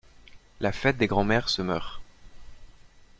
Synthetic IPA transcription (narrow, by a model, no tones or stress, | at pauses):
lafɛt̪̚d̪eɡʁɑ̃mɛʁsəmœʁ